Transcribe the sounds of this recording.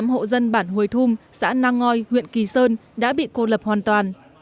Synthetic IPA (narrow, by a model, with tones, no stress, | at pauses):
mho̰˧˨zə˧nɓaː˧˩nhu˨˩əjt̪ʰu˧msa̰ː˧˥naː˧ŋɔ˧jhwḭ˧˨ənki˨˩səː˧nɗa̰ː˧˥ɓḭ˧˨ko˧lə˨˩p̚hwaː˨˩nt̪waː˨˩n